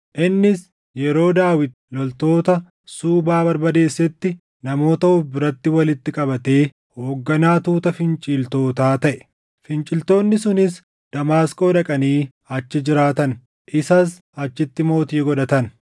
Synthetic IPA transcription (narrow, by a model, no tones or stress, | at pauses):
ʔɪnːɪs | jɛɾo̞ːd̪aːwɪd̪̚ | lɔlt̪o̞ːt̪ɐ | suːbaːbɐɾbɐd̪e̞ːsːɛt̪ːɪ | nɐmo̞ːt̪ɐʊbɪɾɐt̪ːɪwɐlɪt̪ːɪkʼɐbɐt̪e̞ː | ho̞ːɡːɐnaːt̪uːt̪ɐfɪnt͡ʃʼiːlt̪o̞ːt̪aːt̪ɐʔɛ̥ | fɪnt͡ʃʼɪlt̪o̞ːnːɪsʊnɪs | d̪̥ɐmaːskʼo̞ːᶑɐkʼɐniː | ɐt͡ʃːɪd͡ʒɪɾaːt̪ɐn | ʔɪsɐs̬ | ɐt͡ʃːɪt̪ːɪmo̞ːt̪iːɡɔᶑɐt̪ɐn